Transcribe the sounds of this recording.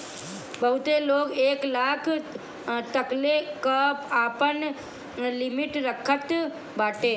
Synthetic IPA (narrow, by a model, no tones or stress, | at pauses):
bəɦut̪eloːɡeːklaːkʰ | t̪əklekəpaːpən | lɪmɪʈɾəkʰət̪ | baːʈeː